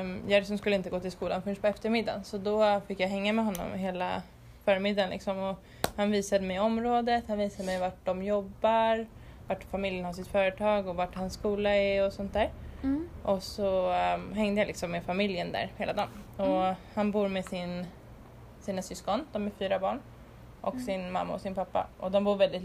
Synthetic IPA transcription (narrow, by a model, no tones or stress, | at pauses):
jaɾsɔmskɵlːəɪnt̪əɡoːt̪ɪlskuːlanfɵnʂpʰɔɛft̪əɾmɪd̪ːa̰nsɔd̪ɔfɪkːjaɦɛŋːamɛɦɔnːɔ̰mɦeːla̰ | fœːɾmɪd̪ːanlɪ̰ksɔmɔ | hanviːsad̪əmɛjɔmɾoːd̪ət̪hanviːsad̪əmɛjvaʈ̚ɖɔmjɔbːaɾ | vaʈfamɪljənhaʂɪt̪fœːɾət̪ʰɑːɡɔvaʈhanskuːlaɛɔsɔnt̪̚d̪æːɾ | ʔɔsɔɦɛŋd̪əjalɪksɔmːefamɪljənd̪æ̰ːɾheːlad̪ɑːnɔhanbuːɾmesɪn | siːnasʏskɔnd̪ɔmɛɾfyːɾabɑːɳ | ʔɔksɪnma̰mːaɔsɪnpʰapːa̰ʔɔd̪ɔmbuːɾvɛld̪ɪt̪